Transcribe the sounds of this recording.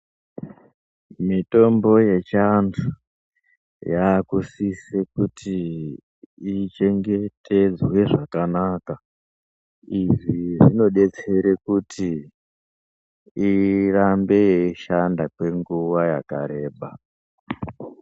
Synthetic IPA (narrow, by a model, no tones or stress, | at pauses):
mito̞mbo̞je̞t͡ʃantʰu | jaːkusisekutʰi | t͡ʃe̞ŋɡe̞tʰe̞d͡zwe̞ʐakanaka | iʐiʐino̞ɗe̞t͡se̞ɾe̞kutʰi | rambe̞ʃandakwe̞ŋɡuwaja̰ka̰ɾe̞ːɓa